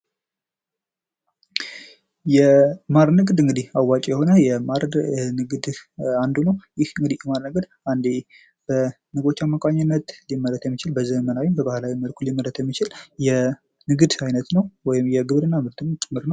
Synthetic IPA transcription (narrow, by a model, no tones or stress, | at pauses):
jɛmaɾnɨɡd̪ɨŋɡɨd̪ihawat͡ʃʼjɛho̞nəjɛmaɾnɨɡd̪and̪unəwjɪhɨŋɡɨd̪ihjɛmaɾnɨɡd̪ | and̪e | b̥ə | nɨɡo̞t͡ʃːamːakʼaɲːɪnːət̪limːəɾət̪jɛmːit͡ʃɪlbəzəmənawimbəbahlawiməlkʰulːimːəɾət̪jɛmːit͡ʃɪljɛ | nɨɡɨd̪ajnət̪nəwwɔjɪmjɛɡɨβɾɨnːamɨɾt̪ʰɨnt͡ʃʼɨmːɨɾnəw